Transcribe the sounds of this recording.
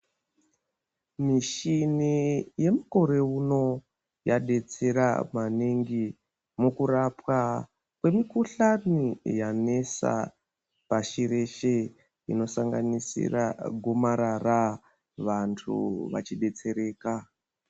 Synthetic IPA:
miʃinije̞muko̞ɾe̞uno̞ | jaɗe̞t͡se̞ɾa̰maniŋɡi | mukuɾapwa | kwe̞mikuɬanijane̞sa̰ | paʃiɾe̞ʃe | ino̞saŋɡanisḭra̰ɡʱomaɾara | ʋantʰṵʋa̰t͡ʃiɗe̞t͡se̞ɾe̞ːka

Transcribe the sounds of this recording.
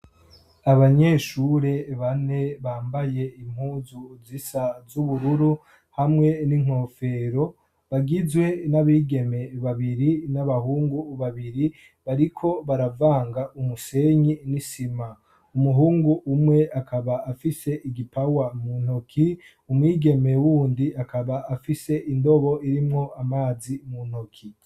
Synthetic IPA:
aβaɲeːʃuɾe̞βane̞βaːmbaje̞im̥huːzuzisazuβuɾuɾu | hamŋe̞niŋ̥o̞ːfe̞ːɾo̞ | βaɡizwe̞naβiːɡe̞me̞βaβiɾinaβaɦuːŋɡuβaβiɾi | βaɾikʰo̞βaɾavaːŋɡaʔumuse̞ɲinisima | umuɦuːŋɡuʔːmŋe̞akʰaβaːfise̞ʔiɡipawamunhokʰi | umwiːɡe̞me̞wuːndiakaβaːfise̞ʔindo̞βo̞iɾimŋo̞amaːzimun̥hokʰi

